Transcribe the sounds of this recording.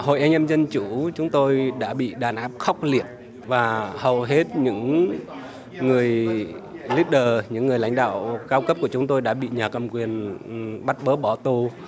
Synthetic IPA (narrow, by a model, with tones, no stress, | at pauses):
ho̰˧˨jʔɛ˧jŋʔɛ˧mzə˧nt͡ɕu˧˩t͡ɕʊ˨˦ŋ͡mt̪o˧jɗa̰ː˧˥ɓḭ˧˨ɗaː˨˩nʔaː˦˥p̚xɔ˦˥wk͡p̚li˧˨əp̚ | vaː˨˩hə˨˩wɦe˦˥t̚ɲɨ̰˧˥ŋ | ɨ˨˩əj | li˦˥t̚ɗəː˨˩ɲɨ̰˧˥ŋːɨ˨˩əjla̰˧˥jŋ̟ɗa̰ː˧˨wkaː˧wkə˦˥p̚ku˧˩ət͡ɕʊ˨˦ŋ͡mt̪o˧jɗa̰ː˧˥ɓḭ˧˨ɲaː˨˩kə˨˩mkwi˨˩ənɓa˦˥t̚ɓəː˨˦ɓɔ˧˩t̪u˧˩